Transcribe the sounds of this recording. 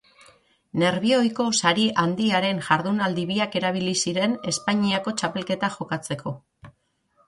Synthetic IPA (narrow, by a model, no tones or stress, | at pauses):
ne̞ɾβ̞io̞jko̞saɾiʔand̪iaɾe̞nʝaɾðunald̪iβiake̞ɾaβ̞ilisiɾe̞ne̞spaɲiako̞t͡ʃape̞lke̞t̪aʝo̞kat͡se̞kʰo̞